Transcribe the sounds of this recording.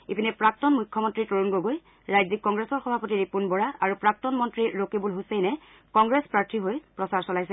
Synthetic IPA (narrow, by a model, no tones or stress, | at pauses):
epinɛpɹak̚tɔnmujkʰːɔmɔntɹitoɹunɡoɡoj | ɹajzik̚ːɔŋɡɹesɔɹxɔbʱapɔtiɹipunbɔɹaʔaɹupɹak̚tɔnmɔntɹiɹokibulɦusɛjnɛ | kɔŋɡɹespɹaɹtʰiɦojpɹɔsaɹsɔlajsɛ